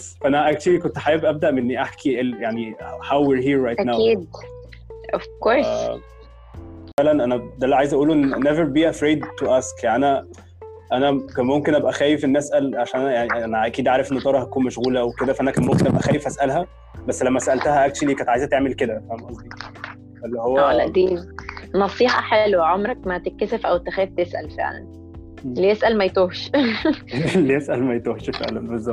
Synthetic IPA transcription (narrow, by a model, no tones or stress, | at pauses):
fæʔænæʔæk̚t̪ulik̬ont̪ħajebʔæb̚d̪æʔmenːiʔaħkʰiʔejaʕnihawwiɾɦiːɾːɑjtnæwiːd̪ | ofkoɾæ | lænʔænæd̪ælːiʕajezʔæʔuːloʔenːneveɾbiːʔæfɾeːd̪t̪ːoʔæːskjaniʔænæ | ʔænækænmomkenʔæbʔæxæːjefʔenːæsʔælʕaʃæːnʔænjaʕniæʔænæʔækiːd̪ʕaːɾefʔenːot̪ɑɾˤɑhæt̪ækuːnmæʃɣuːlæʔæweked̪æfæʔænækæːnmomkenʔæbʔæxæːjefʔæsʔælɦæ | bæsːlæmːæsæʔælt̪æhæʔæk̚t͡ʃulikænt̪ʕajezæt̪eʕmelked̪ækæænʔɑsˤd̪i | ælːihowːælæ̰ʔd̪iːmɑsˤiːħɑ̰ħelwæʕomɾæk̚mæt̪ekːæsefʔæwt̪ːæxæːft̪esʔæ̰lfḛʕlæ̰n | lːijesʔælmæjet̪oːhʃ | lːijesʔælmæjet̪oːhʃfḛʕlænbezːɑt̪